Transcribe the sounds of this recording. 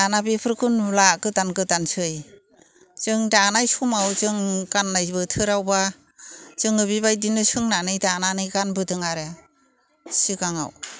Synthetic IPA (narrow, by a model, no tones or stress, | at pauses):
anabepʰɯɾkʰɯnlakɯdankɯdansɯj | zɯŋdanajsumawzɯŋkanːajbɯtʰɯɾawba | zɯŋɯbibajdinɯsɯŋnanɯjdananɯjɡanbɯdɯŋaɾe | sɯkaŋa̰w